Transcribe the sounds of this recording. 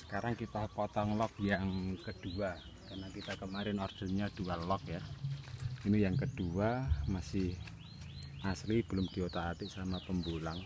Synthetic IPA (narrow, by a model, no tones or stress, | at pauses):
səkaɾaŋkit̪apɔt̪ɔŋlɔk̚jaŋkəd̥ua | karnakit̪akəmaɾɪnɔrd͡ʒ̥ənɲad̥ualɔk̚ja | inijaŋkəd̥uamasɪh | ʔaslib̥əlʊmd̪̥iot̪aːt̪ɪʔsamapəmbulaŋ